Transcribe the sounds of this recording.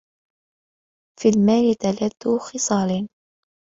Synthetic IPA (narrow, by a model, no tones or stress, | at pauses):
fiːlmaːlɪt̪alad̪ːuxɨsˤɑːlin